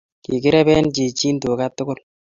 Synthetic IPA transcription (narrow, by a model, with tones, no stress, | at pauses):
ki˨kɪ˦ɾɛ˦bɛ˦nt͡ʃe˨t͡ʃi˦nto˨ka˦tːʊ˦ɡʊ˦l